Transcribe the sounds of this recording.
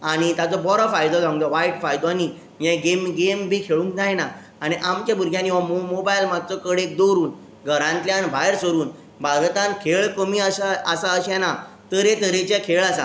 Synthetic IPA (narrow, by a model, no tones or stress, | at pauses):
aɽ̃it̪at͡sɔbɔɾɔfajd̪ɔsãŋɡt̪ɔʋaiʈfajd̪ɔani | jɛ̃ɡemɡembʱikʰeɭũːŋkd͡zajna | aɽ̃iʔamt͡ɕabʱuɾɡʱjãniʋammobajlmad̪̚t͡sɔkəɽek̚d̪oɾuːn | ɡʱəɾãnt̪ljãnbʱajɾsəɾuːn | bʱaɾt̪ãnkʰeɭkəmiaɕaəsaəɕɛ̃na | t̪əɾẽt̪əɾẽt͡ɕãkʰeɭasa̰